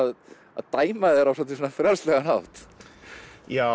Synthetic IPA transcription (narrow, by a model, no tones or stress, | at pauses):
ð | aðt̪aːjmaðɛɾawsɔt̪ʰilsɔnafɾaɾslɛɣanawt̪ | ja